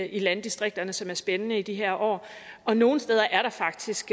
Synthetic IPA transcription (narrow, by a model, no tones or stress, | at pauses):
ilænd̥isd̥ʁeɡ̥̚d̥ɐnəsɒ̽mæɐsb̥enənəid̥iɦeɐ̰ʔɒ̰ː | ʔɒ̽no̝ːn̩sd̥eːð̞ˠɐʔæɐɾ̥ɑ̈fɑ̈ɡ̥d̥isɡ̥